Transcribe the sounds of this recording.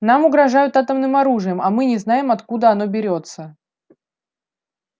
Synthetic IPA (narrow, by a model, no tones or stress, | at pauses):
namʊɡɾɐʐajʊt̪at̪əmnɨmɐɾuʐɨjəmɐmɨnʲɪznajɪmɐt̪kud̪əɐno̞bʲɪɾʲo̞t̪sə